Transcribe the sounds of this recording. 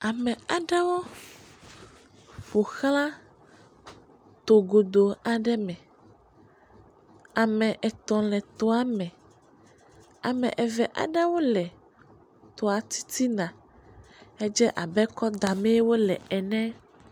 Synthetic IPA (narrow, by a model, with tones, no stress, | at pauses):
a˨mɛ̃˨a˨ɖɛ˦wo˦ | ɸo˨xl̃ã˦ | t̪o˨ɡo˨d̪o˨a˨ɖɛ˦mɛ̃˨ | a˨mɛ̃˨ʔɛ˨t̪ɔ̃˨lɛ˨t̪ɔ˦a˨mɛ̃˨ | a˨mɛ̰̃˨ʔɛ˨vɛ˨ʔa̰˨ɖɛ˦wo˦lɛ˨ | t̪ɔ˨a˨t̪i̥˦t̪i˦nã˨ | ɛ˦d͡ʒɛ˦ʔa˨bɛ˦kɔ˦d̪a˨mɛ̃˦wo˦lɛ̰˨ɛ˨nɛ̃˦